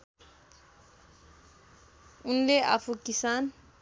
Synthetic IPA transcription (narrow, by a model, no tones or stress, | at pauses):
unleʔa̰pʰukisan